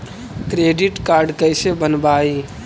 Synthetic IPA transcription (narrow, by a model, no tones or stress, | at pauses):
kɾeɖiʈkaɾɖkəɪsebənbai